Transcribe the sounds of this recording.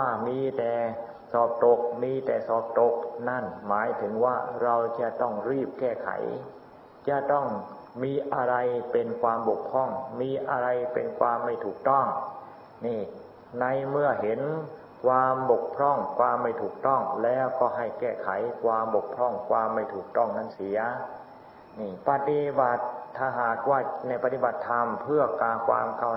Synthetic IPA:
aː˧˥˩miː˧t̪ɛː˨˩ | sɔː˨˩p̚t̪o˨˩k̚miː˧t̪ɛː˨˩sɔː˨˩p̚t̪o˨˦˩k̚na˥˩nmaː˨˩˦jt̪ʰɯ˩˦ŋwaː˥˩ɾa˧wt͡ɕaː˧˩t̪ɔ˥˩ŋɾiː˥˩p̚kɛː˥˩kʰa̰˨˩˦j | t͡ɕaː˧˩t̪ɔ˥˩ŋ | miː˧ʔa˧ɾa˧jpe˧nkʰwaː˧mbo˨˩k̚pʰɔ˥˩ŋmiː˧ʔa̰˧ɾa˧jpḛ˧nkʰwaː˧mːa˥˩jt̪ʰuː˨˩k̚t̪ɔ˥˩ŋ | niː˧˩ | na˧jmɯ˧˩ɐɦe˨˦n | kʰwaː˧mbo˨˩k̚pʰɾɔ˧˥˩ŋkʰwaː˧mːa˧˩jt̪ʰuː˨˩k̚t̪ɔ˥˩ŋlɛː˦˥wkɔː˧˩ɦa˧˥˩jkɛː˧˩kʰa˨˩˦jkʰwaː˧mbo˨˩k̚pʰɾɔ˧˥˩ŋkʰwaː˧mːa˧˩jt̪ʰuː˨˩k̚t̪ɔ˧˥˩ŋna˧˥˩nsi˨˩˦ɐ | niː˧˩pa˧t̪i˧ba˨˩t̪ʰːaː˧˩ɦaː˨˩k̚waː˧˩na˧˩jpa˧t̪i˧˩ba˨˩t̪ʰːa˧mpʰɯ˥˩ɐkaː˧kʰwa̰ː˧mkʰa˧˩˨

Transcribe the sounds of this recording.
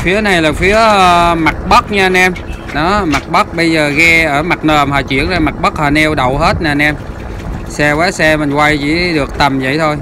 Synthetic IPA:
fi˨˦əna˨˩jlaː˨˩fi˨˦əəː˧ma˨˩t̚ɓə˦˥k̚ɲɨ˧nʔɛ˧m | ɗɔ˨˦ma˨˩k̚ɓə˦˥k̚ɓə˧jzəː˨˩ɣɛ˧ʔəː˧˩ma˨˩t̚nəː˨˩mhɦaː˨˩t͡ɕwḭ˧˨əŋzaː˨˧˩ma˨˩k̚ɓə˦˥k̚haː˨˩nɛ˧wɗə˨˧˨wɦe˦˥t̚naː˨˩nʔɛ˧m | sɛ˧waː˨˦sɛ˧mï˨˩ŋkwa˧jt͡ɕḭ˧˥ɗɨ˨˩ək̚t̪ə˨˩mzə̰˧˨jt̪ʰo˧j

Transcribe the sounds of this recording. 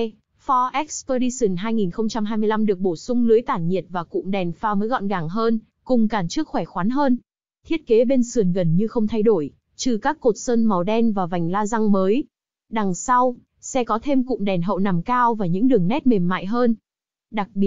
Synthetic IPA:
fɔ˧ʔɛ˦˥k̚spəː˧ɗi˧sɨ˨˩nɦaː˧jŋi˨˩nxə˧wŋ͡mt͡ɕa˧mɦaː˧jmɨ˧əla˧mɗɨ˨˩ək̚ɓo˧˩sʊ˧ŋ͡mlɨ˨˦əjt̪aː˧˩nɲi˨˩ət̚vaː˨˩kʊ̰˧˨ŋ͡mɗɛ˨˩nfaː˧məː˨˦jɣɔ̰˧˨nɣaː˨˩ŋɦəː˧n | kʊ˨˩ŋ͡mkaː˨˩nt͡ɕɨ˦˥ək̚xwɛ˧˩xwaː˨˦nɦəː˧n | t̪ʰi˦˥ət̚ke˨˦ɓe˧nsɨ˨˩ənɣə˨˩nɲɨ˧xə˧wŋ͡mt̪ʰa˧jɗo˧˩j | t͡ɕɨ˧˩kaː˦˥kːo˨˩t̚səː˧nma˨˩wɗɛ˧nvaː˨˩va˨˩jŋ̟laː˧za˧ŋməː˨˦j | ɗa˨˩ŋsa˧w | sɛ˧kɔ˨˦t̪ʰe˧mkʊ̰˧˨ŋ͡mɗɛ˨˩nɦə̰˧˨wna˨˩mkaː˧wvaː˨˩ɲɨ̰˧˥ŋɗɨ˨˩əŋnɛ˦˥t̚me˨˩mːa̰ː˧˨jɦəː˧n | ɗa˨˩k̚ɓi˨˩ət̚

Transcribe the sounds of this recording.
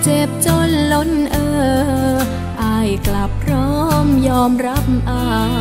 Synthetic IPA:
t͡ɕeː˧p̚t͡ɕo˧lːo˧nʔəː˧ | ʔa˧jkla˧p̚rɔ˧˥mjɔː˧mra˧˥p̚ʔaː˧

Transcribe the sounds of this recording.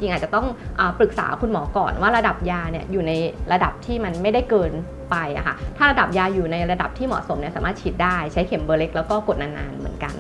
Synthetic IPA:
t͡ɕi˧ŋa˨˩t̪̚t͡ɕa˨˩t̪ɔ˥˩ŋʔəː˨˩pɾɯ˨˩k̚sa̰ː˩˦kʰu˧nmɔ̰ː˩˦kɔ̰ː˨˩nwaː˥˩ɾa˧da˨˩p̚jaː˧ni˥˩ɐjuː˨˩na˧jɾa˧da˨˩p̚t̪ʰiː˥˩ma˧nma˥˩jda˥˩kɤː˧n | pa˧jʔa̰˨˩kʰa̰˦˥˩t̪ʰaː˥˩ɾa˧da˨˩p̚jaː˧juː˨˩na˧jɾa˧da̰˨˩p̚t̪ʰiː˥˩mɔ̰˨˩t̪so˩˦mni˥˩saː˨˦maː˥˩t̪̚t͡ɕʰi˦˥t̪̚daː˥˩jt͡ɕʰa˦˥jkʰe˨˩˦mbɤː˧le˦˥k̚lɛː˦˥wkɔː˥˩ko˨˩t̪̚naː˧nːa̰ː˧nmɯ̰˨˩˦ənka̰˧n

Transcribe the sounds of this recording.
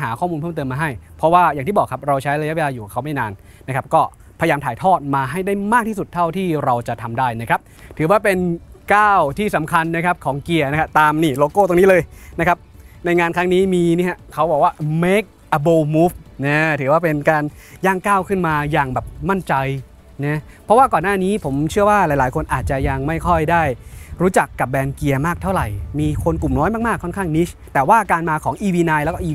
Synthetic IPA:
ɦaː˩˦kʰɔː˥˩mu˧npʰɤ˥˩mt̪ɤː˧mːaː˧ɦa˥˩jpʰɔ˦˥waː˥˩jaː˨˩ŋt̪ʰiː˥˩bɔː˨˩kʰːa˦˥p̚ɾa˧wt͡ɕʰa˦˥jɾa˧ja˦˥ʔwe˧laː˧juː˨˩kʰa˦˥˩wma˥˩jnaː˧nː | a˦˥kʰa˦˥p̚kɔː˥˩ | pʰːjjaː˧mt̪ʰaː˨˩jt̪ʰɔː˥˩t̪̚maː˧ɦa˥˩jdaː˥˩jmaː˥˩k̚t̪ʰiː˥˩su˨˩t̪ʰːa˥˩wt̪ʰiː˥˩ɾa˧wt͡ɕa˨˩ʔt̪ʰa˧mdaː˥˩jna˧˦˩kɾa˦˥p̚ | t̪ʰɯː˩˦waː˥˩pe˧nkaː˥˩wt̪ʰiː˥˩sa˩˦mkʰa˧nːa˥kʰa˦˥p̚kʰɔː˩˦ŋki˨˩ɐna˦˥kʰa˦˥p̚t̪aː˧mniː˥˩loː˧koː˥˩t̪o˧ŋniː˦˥lɤː˧jna˦˥kʰa˦˥p̚na˧jŋaː˧nkʰa˦˥ŋniː˦˥miː˧ni˥˩ɐ˦kʰa˦˥wbɔː˨˩k̚waː˥˩me˦˥k̚ʔa˧boː˧muː˦˥p̚nɛ˦˥t̪ʰɯ˩˦waː˥˩pe˧nkaː˧njaː˥˩ŋkaː˥˩wkʰɯ˥˩nmaː˧jaː˨˩ŋbɛː˨˩p̚ma˥˩nt͡ɕa˧j | na˦˥ | pʰɾɔ˦˥waː˥˩kɔː˨˩nːaː˥˩niː˦˥pʰo˩˦mt͡ɕʰɯ˥˩ɐwaː˥˩laː˨˩˦jlaː˩˦jkʰo˧nʔaː˨˩t̪̚t͡ɕa˨˩ja˧ŋma˥˩jkʰɔ˥˩jdaː˥˩jɾuː˦˥t͡ɕa˨˩kːa˨˩p̚bɛː˧nki˧ɐmaː˥˩k̚t̪ʰa˥˩wɾa˨˩jmiː˧kʰo˧nku˨˩mnɔ˦˥jmaː˥˩k̚maː˥˩kʰːɔ˥˩nkʰaː˥˩ŋni˦˥˩t̪ɛː˨˩waː˥˩kaː˧nmaː˧kʰɔː˩˦ŋʔiː˧wiː˧na˧jlɛː˦˥kɔː˥ʔiː˧

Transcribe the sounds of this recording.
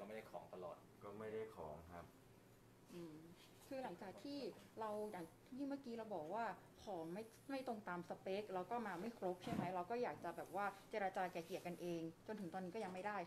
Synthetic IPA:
kɔː˥˩ma˥˩jda˥˩jkʰɔː˩˦ŋt̪a˧lɔ̰ː˨˩t̪̚kɔː˥˩ma˥˩jda˥˩jkʰɔ̰ː˩˦ŋkʰa̰˦˥p̚ | ʔɯː˧˩ | kʰɯː˧la˩˦ŋt͡ɕaː˨˩k̚t̪ʰiː˥˩ɾa˧wjaː˨˩ŋ | jiː˥˩ma˥˩kiː˧˥ɾa˧wbɔː˨˩k̚waː˥˩kʰɔː˩˦ŋma˥˩j | ma˥˩jt̪o˧ŋt̪aː˧msa˧pe˦˥k̚ɾɛː˦˧˥wkɔː˥˩maː˧ma˥˩jkʰɾo˦˥p̚t͡ɕʰa˥˩jma˦˥jɾa˧wkɔː˥˩jaː˨˩k̚t͡ɕa˨˩bɛː˨˩p̚waː˥˩t͡ɕeː˧ɾaː˧t͡ɕaː˧kɛː˨˩ki˨˩ət̚ka˧nʔeː˧ŋt͡ɕo˧nt̪ʰɯ˩˦t̪ɔː˧nːi˦˥kːɔ˥˩ja˧ŋma˥˩daː˥˩j

